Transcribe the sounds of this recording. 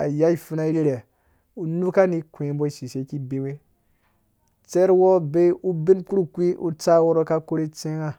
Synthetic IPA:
a˨ja˦i˨fu˦na˦i˦ɾi˦ɾe˨ | u˨nu˦ka˦ni˦kʷẽ˨˦bo˦i˨ʃi˨se˦ki˦be˦we˦ | t͡se˦ɾwo˦be˦u˦bi˦nk͡pu˦ɾu˦kʷi˦ʔṵ˦t͡sa˦wo˦ɾo˦ka˦ko˦ɾi˦t͡sẽ˦ŋa˨

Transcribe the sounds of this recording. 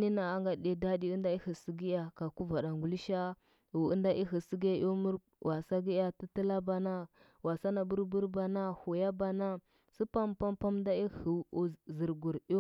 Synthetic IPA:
ni˦na˨a˦ŋɡa˨ɗe˦da˦di˦u˦nda˦i˦hi˨si˦ɡi˦ja˨ka˨ku˦va˨da˨ŋɡu˨li˦ʃa˦ | u˨ə˦nda˦ʔi˦xi˨si˦ɡi˦ja˦˨ʔo˦mu˦ɾ | wʔa˨sa˦ɡi˦ja˨ti˦tə˦la˦ba˨na˦ | wa˨sa˦na˨bu˦ɾbu˦ɾba˨na˦hu˨ja˦ba˨na˦ | si˦pa˦mpa˦mpa˦mda˦i˦hi˨zə˨ɾɡu˨ɾo˦

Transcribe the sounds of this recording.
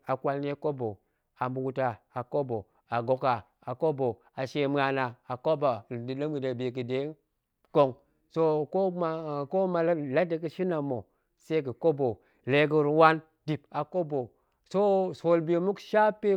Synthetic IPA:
a˨kʷa˨lne˦ko˦bo˨ | a˨mu˨ɡu˨ta˨a˨ko˦bo˨ | a˨ɡo˨ka˨ | a˨ko˦bo˨ | a˨ʃe˨m˦a˨na˨a˨ko˦ba˨di˨lə˦mɡi˨de˨be˨k̬i˨de˨˦n | ko˦˨ŋ | so˦ko˦m˦ko˦ma˨˦la˦de˨ki˦ʃi˦na˨mo˨ | se˦kə˨ko˦bo˨ | le˨ɡ̬i˦ɾwa˦n | di˨pa˨ko˦bo˨ | so˦so˨lbe˨mu˦kʃa˦pe˦

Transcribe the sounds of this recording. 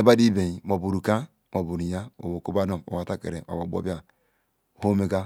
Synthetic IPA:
e˦ba˦di˦be˨i˨mo˨bu˨ɾu˨ka˦ | mo˨bu˨ɾi˨ja˦o̰˨bo˨ko˦ba˦no˨o̰˨wa˨ta˦kḛ˨ɾe˨ma̰˨bo˨bo̰˦bi˦a˦˨ | ho˦me˦ɡa˦

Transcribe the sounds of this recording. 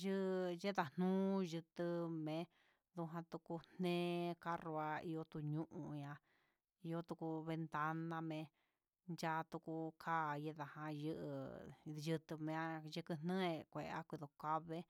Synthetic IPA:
ʒɨ˦˧je˦ða˧n̥ũː˦ʒɨ˧t̪ɨ˧mẽ˧ | ðu˧ɦã˧t̪u˧ku˧n̥ẽː˦ka˦ro˧a˧i˧o˧t̪u˧ɲũ˦ʔũ˧ɲã˧ | i˧jo˧˦t̪u˧ku˧βe˧nt̪a˦nã˧mẽ˧ | nd͡ʒa˦t̪u˧ku˧kʰa˦˨je˦ða˨hã˧jɨ˦˧ʔɨ̰˧jɨ˧t̪ɨ˧mẽ˧a˦ʒɨ˧kɨ˧n̥ẽ˦e˧kʷe˨ʔa˦kʷi˧ðo˨ka˦βe˦

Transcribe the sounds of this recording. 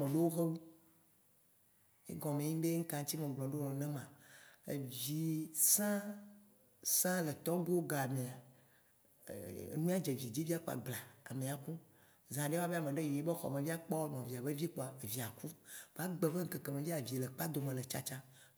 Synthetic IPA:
me˨ɖe˦wo˦xe˦wu˦ | ḛ˦ɡɔ̃˨mẽ˨ɲĩ˦ɖe˦ŋ̩˦kã˨ŋ˦t͡ɕi˦mẽ˨ɡ͡blɔ̃˨ɖo˦nɔ̃˨nɛ̃˦mã˨ḛ˨vi˨sã˦ | sã˦le˨t̪ɔ˦ɡo˦ɡa˨mẽ˨a˨˦ | nũ˦a˦d͡ʒe˨vi˨d͡ʑi˦vi˦a˦ko˦a̰˨ɡ͡bla˨a̰˨mẽ˨a˨ku˦ | zã˨ɖe˦a˦be˦a˨mẽ˨ɖe˦ji˨je˦be˦xɔ̰˨mẽ˨vi˦a˦k͡pɔ˦nɔ̃˨vi˨a˨be˦vi˦k͡po˨a˨e˨vi˨a˨ku˦va˦ɡ͡be˨ve˦ŋ̩˦ke˨ke˨mẽ˨vi˦a˨vi˨le˨k͡pa˦d̪o˨mẽ˨le˨t͡ʃa̰˦t͡ʃã˦

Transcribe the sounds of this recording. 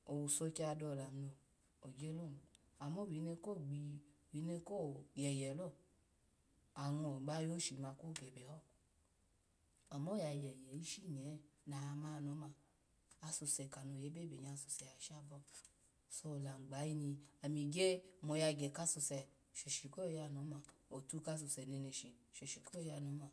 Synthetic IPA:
o˨wu˨so˧ki˦a˧dɔ˧˨la˨no˧˨ | o˨ɡe˦lo˦˨ | a˨mɔ˦˨wi˨˦ne˧ko˦˨ɡ͡bi˧˨wi˨˦ne˧ko˦˨jɛ˨jɛ˨lo˦˨ | a˨wɔ̃˧˨ɡ͡ba˦jo˦ʃi˨ma˧ko˦˨ɡɛ˨bɛ˨hɔ˦˨ | a˨mɔ˦ja˧˨jɛ˨jɛ˨i˦ʃi˦˨ɲɛ˨˦na˨˧ma˧˦˧nɔ˨˦ma˧˨ | a˧su˧sɛ˨ka˨no˨˧˨je˨˦be˦˨be˨ɲ˧a˧˨su˧sɛ˨a˨ʃa˦˨bɔ˧ | so˧˦˨la˨ŋ͡mɡ͡ba˨˦ji˦nĩ˧a˨mĩ˧ɡe˦˨mɔ˧ja˧˨ɡɛ˨ka˦˧su˧sɛ˨ | ʃe˨ʃi˨ko˦˧ja˧˨no˨˦ma˧˨o˨tu˦ka˧s̬u˧˨sɛ˨ne˨˧ne˧˨ʃi˨ʃe˨ʃi˨ko˦o˦˧ja˧˨nɔ˨˦ma˧˨

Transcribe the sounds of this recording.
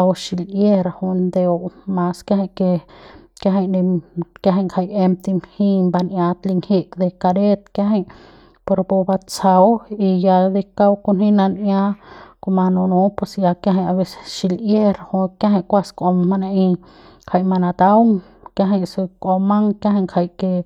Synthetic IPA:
a˧wʃi˧lje˦ɾa˧hu˧nd̪e˧o˧ma˧ska˦ɦa˧ke˧kja˧ɦa˧ni˧kja˧ɦa˧kʰa˧je˧m̚t̪i˧mhĩ˦˧mba˧nʔja˧t̪li˧ŋhi˦˧kd̪e˧ka˧ɾe˦t̪kja˦ɦe˧j | po˧ɾpo˧ba˧t͡sa˧wi˧ja˧d̪e˧ka˦˧wko˧nhĩ˦na˧nja˦ko˧ma˧nũ˧nũ˧pe˧sja˧kja˦˧ɦa˧a˧βe˧se̥˧ʃi˧lje˦ɾa˧ho˧kja˦ɦa˧˨kʷa˧skʷo˧ma˧na˧ʔĩ˧ | kʰa˧˨jma˧na˧t̪a˦wŋ | kja˧ɦa˧jsu˧kʷo˧ma˦ŋkja˦ɦa˧ŋkʰa˧jke˧

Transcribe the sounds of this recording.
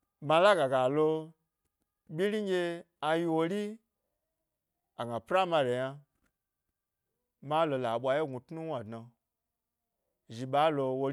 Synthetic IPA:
ma˧la˦ɡa˨ɡa˨lo˧ | bʲi˦ɾi˦ŋ˦ɡʲe˧ | a˧ji˧wo˧ɾi˦ | a˨ɡa˨pɾa˦ma˧ɾe˨ja˧ | ma˦lo˧la˨ɓʷa˧je˦ɡu˧tnu˦wʷa˨dna˧ | ʒi˨ɓa˨˦lo˧wo˧

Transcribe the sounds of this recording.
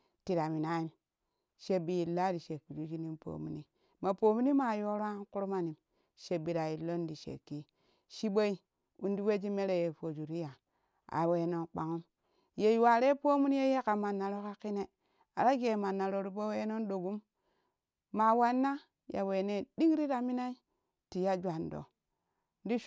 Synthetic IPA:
ti˨ɾa˨mi˨na˨˦i˦mn | ʃe˨bi˨ji˨lːa˦ɾi˨ʃe˨kːi˨d͡ʒu˦d͡ʒi˦ni˦mpo̰˨mṵ˨ni˦ | ma˨po˨mi˦ni˦ma˨jo˦ɾa˦ku˦ɾu˦ma˨ni˨m | ʃe˨bi˨ɾa˨ji˨lo˦ndi˨ʃḛ˨kːi˦ | ʃi˦ɓo˦i˦ | u˦n˦di˦we˦d͡ʒi˦me˦ɾe˨je˨fo˨d͡ʒu˨ɾi˦ja˨ | a̰˨we˨no˦nk͡pa̰˨ŋu˦m | je˨jwa˨ɾe˦po˦mu˦ni˦je˦je˦ka˨ma˨nːa˨ɾo˦ka˦ki˦ne˨ | a˨ɾa˦ɡe˨ma˨nːa˨ɾo˨ɾu˦bo˦we˦no˦nɗo˨ɡu˦m | a˨wa˦nːa˦ | ja̰˨we˨ne˨di˦ŋ˦ɾi˦ɾa˨mi˦na˦i˦ | ti˨ja˦d͡ʒʷa˨ndo̰˨ | n˦di˦ʃ

